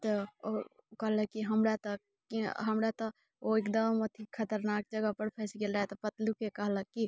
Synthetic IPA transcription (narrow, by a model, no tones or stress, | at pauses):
t̪oo | kɐɦləkiɦɐmɾat̪ɐ | kiɦɐmɾat̪o | oekd̪əmɐt̪ʰikʰɐt̪əɾnaːk̚d͡ʒəɡəpəɾpʰɛsikelɾaet̪ɐpɐt̪lukekɐɦləki